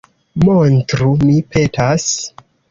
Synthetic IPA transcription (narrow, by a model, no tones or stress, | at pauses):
montɾumipʰe̞tas